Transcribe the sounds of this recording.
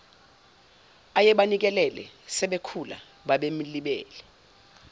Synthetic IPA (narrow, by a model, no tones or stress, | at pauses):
ajɛɓanik̬ɛlɛlɛ̰sɛɓekʰula̰ | ɓaɓem̩liɓɛːlɛ